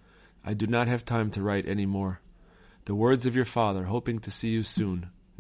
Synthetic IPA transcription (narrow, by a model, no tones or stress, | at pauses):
ʔaɪdɨnət̚ɦɨv̥tʰãɪ̃mtʰɨɹaɪɾʔɛ̰nimɔɹ | ðəwɜ˞dzʌvjə˞fɑðə˞ɦoʊpɪ̃ŋtʰɨsijɨsũn